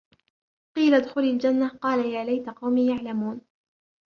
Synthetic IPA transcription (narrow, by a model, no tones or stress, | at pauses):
qiːlad̪xʊlald͡ʒanːaqɑːlajaːlajt̪aqɑwmiːjaʕlamuːn